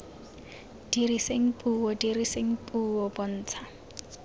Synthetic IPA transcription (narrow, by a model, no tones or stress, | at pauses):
d̥iriseŋ̩pʼuwɔdiriseŋ̩pʼuːɔbɔn̩ːt͡sʰḁ